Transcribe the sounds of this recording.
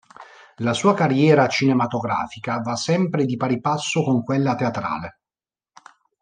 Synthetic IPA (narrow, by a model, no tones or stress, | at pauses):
lasuːakarːjɛːɾat͡ʃinemat̪oɡɾa̰ːfikavasɛmpɾed̪ipaɾipasːokoŋkwelːat̪eat̪ɾa̰ːle